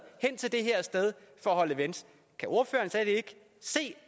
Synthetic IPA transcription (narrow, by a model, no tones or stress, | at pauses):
hen̰t͡sʰe̝ld̥e̝ɦeɐ̰sd̥eð̞ˠfɒ̽ɒɦɒ̽ləʋens | kʰæʔo̝ɐfø̰ːɐːnsɛde̝ɡ̥ə | se̝̰ː